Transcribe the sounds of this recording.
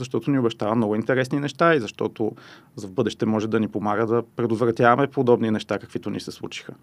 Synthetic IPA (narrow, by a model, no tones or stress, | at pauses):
zɐʃt̪ɔt̪oniobɛʃt̪avɐmnɔɡʊint̪ɛɾɛsninɛʃt̪aizɐʃt̪ɔt̪ozɐvbɤd̪ɛʃt̪ɛmɔʒɛd̪ɐnipomaɡəd̪ɐpɾɛd̪ot̪vɾɐt̪ʲjavɐmɛpod̪ɔbninɛʃt̪akəkvit̪onḭsɛslˠṵt͡ʃi̥xə